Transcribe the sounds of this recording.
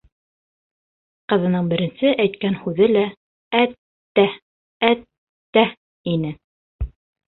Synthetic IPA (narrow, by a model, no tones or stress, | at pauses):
qɤ̆ðɤ̆nɤɴbɘ̆ɾɘ̆nsɘʔæjt̪̚kænhʉðɘlæ | æt̪ː | æ | æt̪ː | æ | inɘ